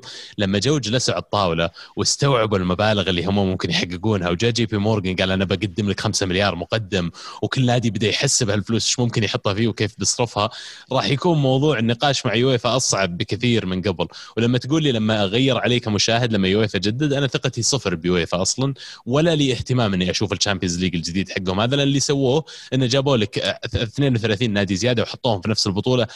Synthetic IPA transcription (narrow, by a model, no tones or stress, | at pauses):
lamːad͡ʒawːd͡ʒlasaʕ̚t̪ˤːɑːwlawɪst̪awʕɪbɪlmabaːlɪɣɪlːihʊmːamʊmkɪnjħaɡːɪɡuːnhawd͡ʒaːd͡ʒiːpimoːɾˤɡɪnɡaːlʔanabaɡad̪ːɪmlɪkxamsamɪljɑːɾˤmʊqɑd̪ːɪmwkɪlːhaːd̪ibɪd̪ajħasːɪbhalfluːsʃmʊmkɪnjħʊt̪ˤːhafiːwkeːfbɨsˤɾɪfhaɾˤɑːħjakuːnmɑwðˤuːʕnːɪqɑːʃmaʕjʊweːfaʔɑsˤʕɑbːɪkɪθiːɾmɪnɡablwlamːat̪ɡuːlːiːlamːaɣajːɪɾˤʕaleːkamʊʃaːhɪd̪lamːajʊweːfad͡ʒad̪ːad̪ʔanaθɪqɑt̪isˤɨfɾbjweːfaʔɑsˤlɑnwalːaliːɪht̪ɪmaːmʔɪnːiʔaʃuːfɪlt͡ʃaːmpijɪzliːɡɪld͡ʒɪd̪iːd̪ħaɡːhʊmhaðalanlːisawːoːʔɪnːad͡ʒaːboːlɪkθneːnwθalaːθiːnːaːd̪izɪjaːd̪awħʊt̪ˤːuːhʊmfinafsɪlbʊt̪ˤuːlɑ